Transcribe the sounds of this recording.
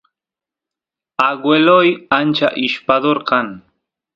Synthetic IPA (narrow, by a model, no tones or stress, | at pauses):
aɡwelojant͡ʃa̰ʔɪʃpaðoɾkan